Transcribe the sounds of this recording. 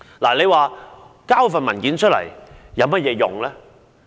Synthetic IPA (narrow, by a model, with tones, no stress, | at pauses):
laː˨˩le˨˧jwaː˨ | kaː˥wfɐ˨nmɐ˨˩nkiː˨˥nt͡ʃ̚ʰlɐ̰˨˩jjɐ˨˧wmɐ˥t̚jɛː˨˧jʊ̰˨˩ŋlɛː˥